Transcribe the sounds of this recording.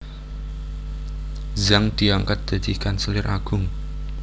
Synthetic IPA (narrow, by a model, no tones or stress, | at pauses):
zaŋd̪̥i̤aŋkat̪̚d̪̥a̤d̪̥i̤kansəlɪrʔaɡ̥ʊŋ